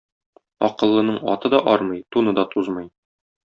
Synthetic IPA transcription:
ɒ̰qɤ̆lˠːɤ̆nɤɴɒ̰t̪ɤd̪ɒʔɒɾmɤjt̪unɤd̪ɒt̪uzmɤj

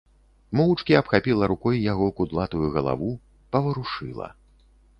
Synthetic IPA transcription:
mɔwut͡ʂkʲiɐpxapʲilˠɐɾukɔjjaɣɔkud̪lˠat̪ujuɣɐlˠa̰vu | pɐvɐɾuʂɨlˠɐ̰

